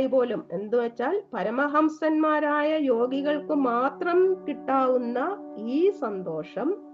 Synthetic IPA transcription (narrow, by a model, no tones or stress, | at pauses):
jbo̞ːlume̞̰nd̪ɨʋet͡ɕːaːlpɐɾɐmɐɦɐmsɐnmaːɾaːjɐjo̞ːɡiɣɐɭkɨmaːt̪rɐmkiʈːaːʋunːɐiːsɐnd̪o̞ːʂɐm